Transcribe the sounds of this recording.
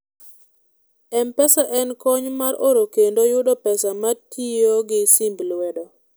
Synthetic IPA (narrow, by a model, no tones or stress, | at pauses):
ɛmpɛsaʔɛnkɔɲmaɾoɾokendojʊdɔpɛsamatʰijoɡɪsimblwɛdɔ